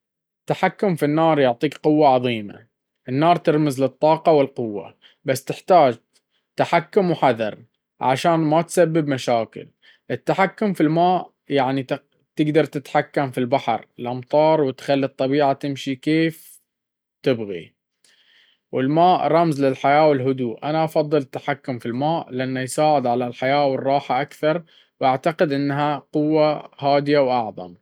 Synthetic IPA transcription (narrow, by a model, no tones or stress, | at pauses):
ɪt̪ːaħakːʊmfinːɑːɾˤjʊʕt̪ˤiːkqʊwːaʕɑðˤiːma̰ | ʔɪnːɑːɾˤt̪ɪɾmɪzlɪt̪ˤːɑːqɑwɪlqʊwːa̰ | basːt̪ɪħt̪aːd͡ʒ | t̪aħakːʊmwħaðɑ̰ɾˤ | ʕa̰ʃaːnmat̪sabːɪbmaʃaːkɪ̰l | ʔɪt̪ːaħakːʊmfilmaːʔ | jaʕnit̪ | t̪ɪɡd̪ɑɾˤt̪ɪt̪ħakːamfilbaħɾˤɪlʔɑmt̪ˤɑːɾˤwɪt̪xalːit̪ˤːɑbiːʕat̪ɪmʃikeːf | t̪ɪbɣḭ | wɪlmaːʔɾˤɑmzlɪlħajaːwɪlɦʊd̪uːʔʔanaʔɑfɑðˤːɨlɪt̪ːḁħakːʊmfilmaːʔlɪʔanːajsaːʕɪd̪ʕalalħajaːwɪrˤːɑːħaʔakθɑɾˤ | wʔaʕt̪aqɪd̪ʔɪnːɦaqʊwːahaːd̪ɪjawʔɑʕðˤɑ̰m